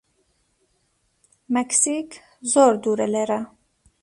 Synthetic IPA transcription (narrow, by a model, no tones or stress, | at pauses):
mɛksik | zoːɾd̪uːɾɛleɾa